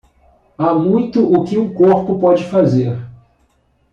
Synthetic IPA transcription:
amũj̃t̪ʊʔʊkɪũkoɾpʊpɔd͡ʒɪfazeɾ

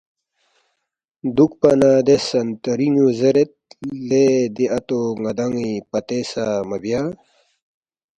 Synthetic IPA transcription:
d̪ukpɐnaːd̪esɐnt̪ɐɾiŋuzeɾet̪̚led̪iɐt̪oŋɐd̪ɐŋipɐt̪esamɐbja

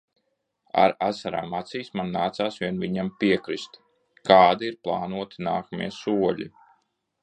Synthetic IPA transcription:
a̰ɾasaɾa̰ːmat̪siːsmanːaːt̪saːsviɛnviɲampiɛkɾist̪ | kaːd̪iiɾplˠɑːnuɔt̪i̥naːkamḭɛsuɔʎʲi

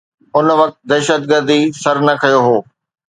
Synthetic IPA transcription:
ʊnʋɐk̚t̪d̪ɛːʃət̪̚ɡəɾd̪isɐɾnɐkʰɐjoɦoː

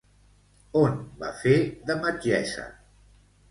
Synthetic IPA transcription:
onba̰feðəməd͡ʒɛ̰sə̰

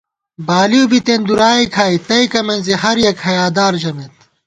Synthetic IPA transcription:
baːliubit̪end̪uɾaːikʰaːit̪ɐikɐmɐnzihɐɾjɐkhɐjaːd̪aːɾd͡ʑɐmet̪̚

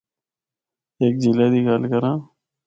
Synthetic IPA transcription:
eːk̚d͡ʑilaːd̪iːɡaːlkəɾãː

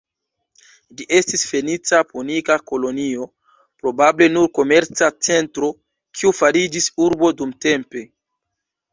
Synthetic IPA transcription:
liʔe̞stisfe̞nit͡sapunikako̞lo̞nio̞ | pɾo̞bable̞nuɾko̞me̞ɾt͡sat͡se̞ntɾo̞ | kʰiufaɾid͡ʒisuɾbo̞dumte̞mpe̞

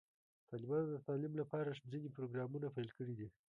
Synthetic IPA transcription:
t̪ɑlɪbɑnod̪ət̪ɑlimlapɑɾaʂd͡zinipɾoɡɾɑmunapajlkəɽid̪i

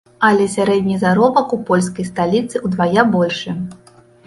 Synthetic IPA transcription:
alʲɛsʲaɾɛd̪ʲnʲizaɾɔbɐkupɔlʲs̬kɐjst̪alʲit̪sɨud̪vajabɔlʲʂɨ

